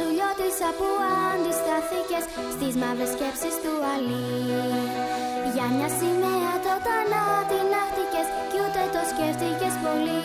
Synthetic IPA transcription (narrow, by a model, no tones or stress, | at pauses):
ðuʎo̞t̪isɐpuɐːnd̪ist̪ɐθice̞s | st̪izmɐve̞sce̞psist̪uɐli | ʝɐmɲɐsimeɐt̪o̞t̪ɐnɐt̪inɐxt̪ice̞s | cut̪e̞t̪o̞sceft̪ice̞spo̞li